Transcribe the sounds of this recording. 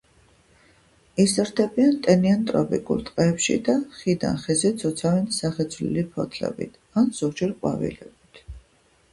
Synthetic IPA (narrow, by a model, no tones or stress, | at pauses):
isəɾd̪ɛbiant̪ʼɛniant̪ʼɾɔpʼḭkʼṵlˠt̪ʼqʼɛːpʃḭd̪aχid̪a̰nχɛzɛt̪sʰɔt̪sʰavɛnsaχɛt̪sʰlḭlipʰɔ̰t̪ʰlɛ̰bḭt̪ʰanz̥ɔɡd͡ʒɛɾqʼwa̰vḭlɛbit̪ʰ